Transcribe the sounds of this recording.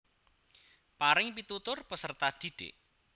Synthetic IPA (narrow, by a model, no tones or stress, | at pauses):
paɾɪŋpit̪ut̪ʊrpəsərt̪ad̪̥i̤d̥ḛʔ